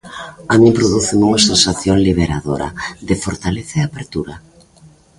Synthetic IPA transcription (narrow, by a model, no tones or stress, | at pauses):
amĩmpɾoðuθɪmuŋasensaθjoŋliβ̞eɾaðoɾa̰ðɪfoɾt̪aleθaeapeɾt̪uɾa